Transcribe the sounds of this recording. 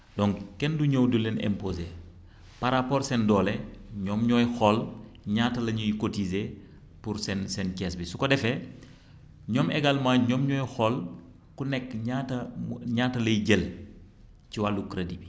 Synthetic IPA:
dɔŋkɛnduɲowdulɛnɛ̰mpoːze | paɾapɔːrsɛndɔːlɛɲɔmɲɔjxɔlɲaːtɐlɐɲujikotize | puɾsɛnsɛnkɛsbisukɔdɛfɛ | ɲɔmɛɡalmaːɲɔmɲɔːjxɔl | kunɛkːɲatɐɲaːtɐlɐjɟəl | ciwalukɾedibi

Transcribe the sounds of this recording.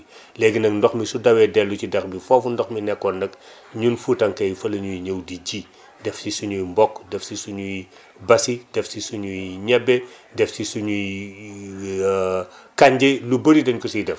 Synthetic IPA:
lɛɡinɐkndɔxmisudɐwɛdɛlːucidɛxbifɔfundɔxminɛkːɔndɐk | ɲunfutɐŋkɐjfɐlɐɲujɲɐwdiɟi | dɛfsisuɲujmbɔkːdɛfsisuɲuj | bɐsid̥ɛfsisuɲujɲɛbɛdɛfsisuɲuj | kaɲɟɛlubəɾidɐɲkɔsidɛf

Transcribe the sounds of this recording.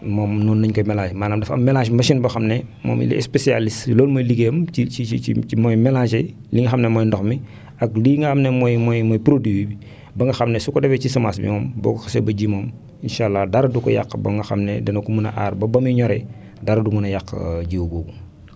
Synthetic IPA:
mɔːmnunːɐɲkomɛlad͡ʒmaːnaːmdɐfɐ̰mɛlaːʃmɐʃinbɐxɐmnemo̰ːmḭlḭɛ̰spesia̰lisloːlmojliɡemt͡ʃiiiiimɔjmelat͡ʃeliŋɡɐxamnemɔjndoxmi | akliŋɡɐxamnemɔjmɔjmɔjpɾodwiwibi | bɐŋɡɐxamnesukɔdefet͡ʃisɐmaːsbḭmɔːmbo̰ɡuxasebɐɟimoːm | inʃaːlːadaɾdukɔ̰ja̰kːbɐ̰ŋɡɐxa̰mnedɛnokumunɐ̰ʔa̰ːɾbɐbɐmiɲɔɾe | daɾdumunɐjakːɟiwuboːɡu

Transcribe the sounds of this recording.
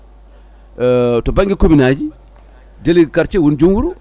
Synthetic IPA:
tobaŋɡikominad͡ʒi | delikaɾt͡ʃewund͡ʒuŋwuɾu

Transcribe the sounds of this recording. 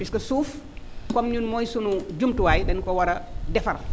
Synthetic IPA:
piskɐsuːf | kɔmɲunmɔjsunud͡ʒumtuwaːjdɛnkɔwɐɾɐdɛfɐr

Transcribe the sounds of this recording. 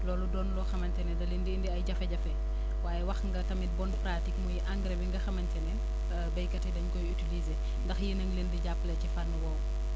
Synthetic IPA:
lɔːludɔːnlɔxɐmɐntɛnɛdɐlindiːndiɐjɟɐfɛɟɐfɛ | waːjɛwɐxŋɡɐtɐmit̚bɔnpɾatikmujiʔaŋɡɾɛbiŋɡɐxɐmɐntɛnɛ | bɐjkɐtɛdɐɲkɔjytilize | ndɐxjinɐŋlendiɟapːlɐcifɐrnɐwɐw

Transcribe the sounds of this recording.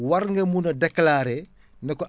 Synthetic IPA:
wɐɾŋɡɐmunɐdɛklaːɾɛ | nɛkɔ

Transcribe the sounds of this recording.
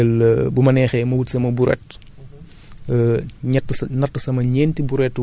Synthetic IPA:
əlbumɐnɛːxɛmɐwutsɐmɐbuɾɛ̰t | ɲɐtːsnɐtːəsɐmɐɲɛːntibuɾɛtː

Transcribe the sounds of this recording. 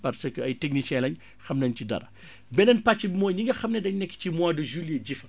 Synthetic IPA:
pɐɾsəkəɐjtek̚nisɛlɐɲ | xɐmnɐɲcidɐ̰ɾɐ | bɛnɐnpat͡ʃːibimɔːjɲiŋɡɐxɐmnɛdɐɲnɛkːcimwaːdəʒulijeɟifɐ

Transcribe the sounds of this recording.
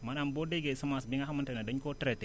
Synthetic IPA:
manambodeɡesəmasbiŋahaməntenadəɲkotɾete

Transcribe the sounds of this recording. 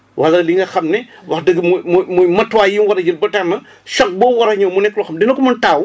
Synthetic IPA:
wʔɐlːɐliŋɡɐxɐmnɛ | wɐxdəɡmumumujmɐtːwaːjinwɐɾɐd͡ʒilbɐtanɐ | ʃɔk̚bɔwɐɾɐɲɐwmunɛkːlɔxɐmdinɐkumɐntaːw

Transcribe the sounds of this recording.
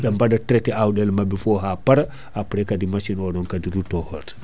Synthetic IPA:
ɗambadatɾɛtɛawɗɛlmabifɔɦapaɾa | ʔapɾɛkadimaʃinɔɗɔnkadiɾutɔhɔt

